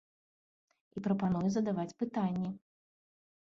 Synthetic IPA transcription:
ipɾɐpan̪ujɛzɐd̪avat͡sʲpɨt̪anʲːɛ

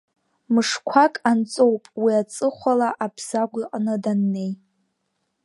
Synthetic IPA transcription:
mɨʂkʷʰakʼant͡sʼo̞wpʼwiat͡sʼɨχʷalaʔapʰsaɡʷiqʼanɨdanːe̞j

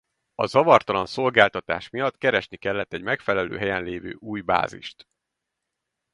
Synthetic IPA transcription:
ɒzɒvɒrt̪ɒlɒnso̞lɡaːlt̪ɒt̪a̰ːʃmijɒt̪kɛɾɛʃnikɛlːɛt̪ːɛɟmɛkfɛlɛlø̰ːɦɛjɛnleːvø̰ːʔuːjba̰ːzḭʃt̪

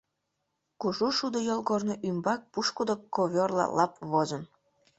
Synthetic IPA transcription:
kuʒuʃud̪əjolˠɣornoʔymbɑk̚puʃkud̪okoβʲorlˠɑ̰lɑpβozən

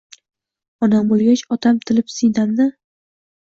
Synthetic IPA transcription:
ɒnambolˠɡʲat͡ʃɒt̪ʰamt̪ʰɪlɪpsɪjd̪amnɪ

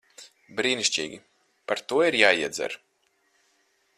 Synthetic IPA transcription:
bɾiːniʃʲt͡ʃʲḭːɡʲi | paɾt̪uɔiɾjaːiɛd̪zɛ̰ɾ

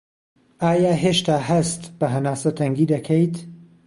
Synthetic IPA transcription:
aːjaːɦeːʃt̪aːɦɐst̪bɐɦɐnaːsɐt̪ʰɐŋɡiːd̪ɐkʰejt̪

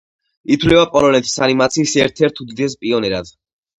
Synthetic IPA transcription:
it̪ʰwlɛvapʼɔlɔnɛt̪ʰi̥sanimat̪sʰiːsɛɾt̪ʰɛɾt̪ʰud̪id̪ɛspʼiɔnɛɾad̪̥

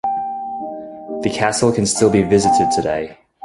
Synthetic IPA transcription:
ðəkʰæsl̩ˠkʰə̃nstɪlˠbivɪzɨtɪd̚tʰədḛɪ

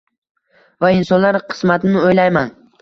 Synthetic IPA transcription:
vaɪnsɒnlaɾqʰɨ̥smat̪ɪnnɪojlajman

